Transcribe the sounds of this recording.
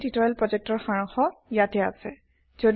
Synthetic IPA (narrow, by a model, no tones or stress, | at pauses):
titɔɛlpɹɔzɛk̚tɔɹxaɹɔŋxɔjatɛa̰sɛ | zod